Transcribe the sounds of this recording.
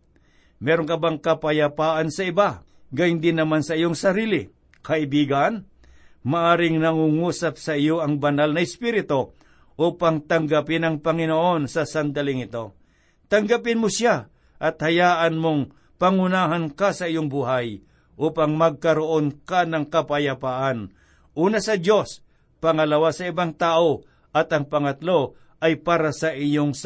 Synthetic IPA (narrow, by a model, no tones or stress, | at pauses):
mɛɾoŋkɐbaŋkɐpɐjapaːʔansɐɪba | ɡajɪnd̪ɪnːɐmansɐɪjoŋsɐɾiːlɪ | kɐʔɪbiːɡɐn | maʔaːɾɪŋnɐŋuŋuːsap̚sɐʔɪjoʔɐŋbɐnalnɐɪspiɾɪt̪o | ʔuːpaŋt̪ɐŋɡɐpɪnɐŋpɐŋɪnoʔo̞nsɐsɐnd̪ɐlɪŋɪt̪o̞ | t̪ɐŋɡapɪnmʊsja | ʔɐt̪̚hɐjaːʔanmoŋ | paŋʊnaːɦankasɐɪjoŋbuːɦaj | ʔuːpaŋmɐɡ̚kɐɾoʔonkanɐŋkɐpajapaʔan | ʔuːnasɐdjo̞s | pɐŋɐlawasɐɪbaŋt̪aːʔo | ʔɐt̪ɐŋpɐŋɐt̪lo̞ | ʔɐjpaːɾasɐʔɪjoŋ